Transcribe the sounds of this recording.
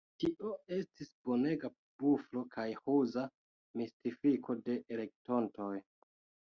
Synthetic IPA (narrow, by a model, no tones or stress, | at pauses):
tiʔo̞e̞stisbo̞ne̞ɡa | b̥uflo̞kajhuza | mistifikʰo̞de̞ʔele̞k̚to̞nto̞j